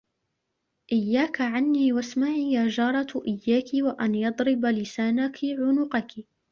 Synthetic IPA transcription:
ʔɪjːaːkaʕanːiːwasmaʕiːjaːd͡ʒɑːɾˤɑt̪ʔɪjːaːkɪwaʔanjɑd̪ˤɾɪblɪsaːnakɪʕʊnʊqɑki

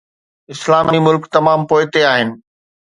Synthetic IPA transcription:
ɪslaːmimʊlkt̪ɐmaːmpoːɪt̪eaːɦɪnɪ̆

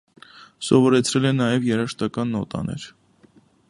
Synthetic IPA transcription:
sɔvɔɾɛt͡sʰɾɛlɛnɑjɛvjɛɾɑʃt̪ɑkɑnːɔt̪ɑ̰nɛ̰ɾ

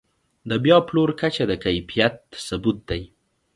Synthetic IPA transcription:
d̪əbjɑploɾkat͡ʃad̪əkajfijat̪̚sʊbut̪̚d̪aj

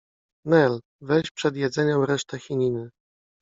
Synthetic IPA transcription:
nɛl | vɛjɕpʂɛd̪jɛd̪zɛɲɛmɾɛʂt̪axʲiɲinɘ

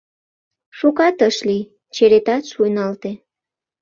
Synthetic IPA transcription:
ʃukɑt̪əʃlij | t͡ɕeɾet̪ɑt̪ʃuənɑlt̪e

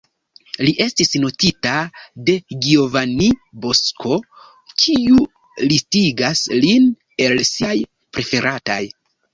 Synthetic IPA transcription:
liʔe̞stisno̞titade̞ɡio̞vanibo̞skʰo̞ | kʰiu | listiɡaslin | e̞lsiaj | pɾe̞fe̞ɾʔata̰j

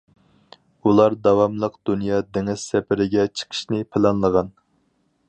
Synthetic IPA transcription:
ulˠɑɾd̪ɑwɑmlˠəqd̪unjɑːd̪eŋɪz̥sɛpɪɾɪɡʲɛt͡ʃʰə̥qʰə̥ʃnɪpʰɪlˠɑnlˠəʁɑn

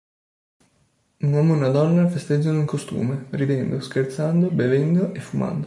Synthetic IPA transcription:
unwɔːmounad̪ɔnːafest̪ed͡ʒːanoiŋkost̪ṵːmerid̪ɛnd̪oskert̪sand̪obevɛnd̪oʔefːuma̰nd̪o

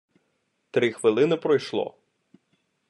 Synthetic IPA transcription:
t̪ɾɪxʋɪlˠɪnɪpɾɔjʃlˠɔ̰

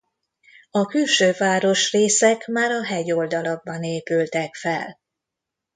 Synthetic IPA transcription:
ɒkylʃøːvaːɾo̞ʃreːsɛkmaːɾɒɦɛɟo̞ld̪ɒlɒɡ̚bɒneːpylt̪ɛkfɛl

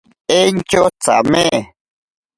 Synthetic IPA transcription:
eɲt͡ʃot͡sa̰mẽ

